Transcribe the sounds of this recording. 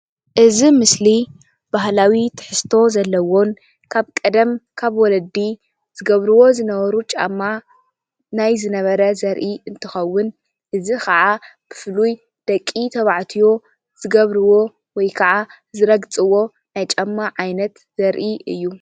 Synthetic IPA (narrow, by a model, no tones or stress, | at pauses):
ʔɨzimɨsli | b̥aɦlawit̪ʰɨ̥ħɨst̪ʰo̞zɐlːɐwo̞n | kʰaβkʼɐd̪ɐmkʰaβwɔlɐd̪i | z̥ɨɡɐβɾɨwo̞zɨnɐβɐɾut͡ʃʼa̰mːa | najzɨnɐβɐɾɐzɐɾʔiʔɨnt̪ʰɨxɐwːʊn | ʔɨzikɐʕa | b̥ɨ̥fluj | d̪̥ɐkʼːit̪ʰɐβaʕt̪ʰijo̞ | z̥ɨɡɐβɾɨwo̞ | wɔjkʰɐʕa | zɨɾɐɡt͡sʼɨwo̞ | najt͡ʃʼɐmːaʕajnɐt̪ | z̥ɐɾʔiɨ̰jːu